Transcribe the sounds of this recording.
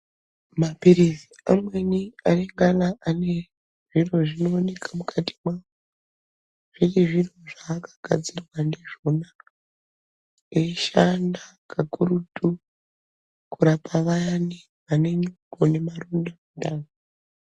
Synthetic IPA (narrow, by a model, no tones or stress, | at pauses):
mapiɾiziamwe̞niareŋɡalaʔane̞ | ʐ̥iro̞ʐino̞ːne̞kʰamukʰatʰi̥mao | ʐ̥iriʐiro̞ʐaːkḁɡʱad͡zirwane̞ʐona | eʃanakakuɾutu | kuɾapʰaʋajani | ʋane̞ɲukone̞marundamundana